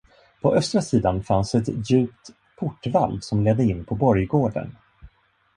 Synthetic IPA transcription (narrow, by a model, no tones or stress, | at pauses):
pʰɔʔœst̪ɾasiːd̪anfansɛt̪jʉ̟ːp̚t̪ | pʰʊʈːva̰lsɔmleːd̪ːəɪnːpʰɔbɔɾjɡoːɖə̰n